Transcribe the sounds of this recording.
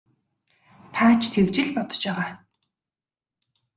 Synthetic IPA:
t̪ʰaːt͡ɕt̪ʰekt͡ɕɪ̆ɮpɔt̪ɞ̥̆t͡ɕpæːʁaː

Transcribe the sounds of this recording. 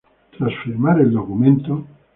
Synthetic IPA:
t̪ɾasfiɾrmaɾeild̪okument̪o

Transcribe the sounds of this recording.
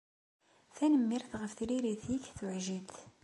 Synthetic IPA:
θænəmːiɾθʁəfθɾiɾiθjikːθʊʕʒiθ

